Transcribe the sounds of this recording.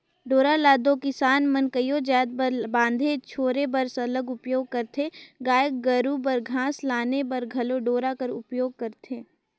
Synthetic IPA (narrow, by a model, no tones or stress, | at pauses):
ɖoːɾalaːd̪õkɪsaːnmɐnkəjod͡ʒaːd̪̚bãːnd̪ʱet͡ʃʰoːɾebɐɾsɐləɡʊpjoːɡ̚kɐɾt̪ʰeɡaːjək̚ɡɐɾubɐɾɡʱãːslaːnebɐɾɡʱɐloɖoːɾakɐɾʊpjoːɡ̚kɐɾt̪ʰeː